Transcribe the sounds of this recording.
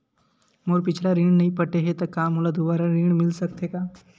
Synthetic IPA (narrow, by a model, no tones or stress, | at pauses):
moːɾpɪt͡ʃʰlaɾĩːɽ̃nɐɦĩpəʈeɦet̪ɐkaːmɦoːlad̪obaːɾaɾiːɽmɪlsɐkt̪ʰekaː